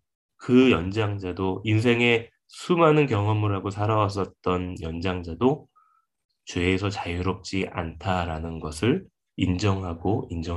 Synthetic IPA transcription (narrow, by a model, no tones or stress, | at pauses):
kɯjʌnd͡ʑaŋd͡ʑadoinsʰe̞ŋe̞ | sʰumɦanɯnkjʌŋʌmɯɾɦaɡosʰaɾawas̬͈ʌt̚t͈ʌnjʌnd͡ʑaŋd͡ʑado | t͡ɕweːsʰʌt͡ɕajɯɾop̚t͡ɕ͈iʔa̰ntʰaɾanɯnɡʌsʰɯɭ | ind͡ʑʌŋɦaɡoind͡ʑʌŋ